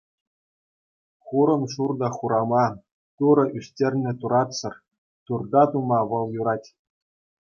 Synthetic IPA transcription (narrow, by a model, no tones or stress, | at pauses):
χuɾɤ̆mʂurd̪ɑχuɾɑmɑ | t̪uɾɤ̆ʔyɕʲtʲerʲnʲɘ̆t̪uɾɑt̪sɤ̆r | t̪urd̪ɑt̪umɑʋɤ̆lˠjuɾɑtʲ